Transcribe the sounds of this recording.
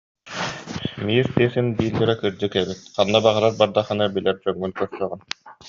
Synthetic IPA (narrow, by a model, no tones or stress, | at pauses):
miːɾt̪iɛsinbiːlːɛɾɛkɯɾd͡ʑɯkɛbit̪̚qanːabaʁɯɾaɾbaɾd̪aχɯnabilɛɾt͡ɕœŋːylkœɾsœːʁɯn